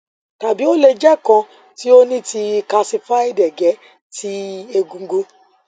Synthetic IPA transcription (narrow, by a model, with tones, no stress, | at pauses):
ta˨bi˨˦o˦le˧d͡ʒɛ˦kã˧ | ti˨˦o˦nĩ˦ti˧ka˧si˧fa˦i˦˨dɛ˨ɡɛ˨˦ | ti˦e˧ɡũ˧˦ɡo˧